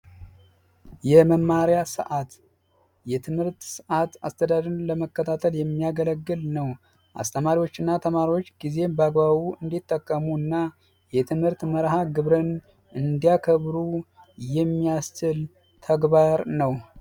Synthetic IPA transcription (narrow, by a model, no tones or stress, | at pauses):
jɛməmːaɾjasə̰ʔat̪ | jɛt̪ʰɨmhɨɾt̪səʔat̪ast̪ʰəd̪ad̪ɨnləməkːət̪ʰat̪ʰəljɛmːijaɡələɡːɨlnəw | ʔa̰st̪ʰəmaɾiwo̞t͡ʃːɨnːat̪ʰəmaɾiwo̞t͡ʃːɡize̞bəaɡβaβuɨnd̪it̪ːəkʼːəmuɨnːa | jɛt̪ʰɨmhɨɾt̪məɾɦaɡɨβɾən | ʔɨnd̪ijakʰəβɾu | jɛmːijast͡ʃɪl | t̪ʰəɡbaɾnəw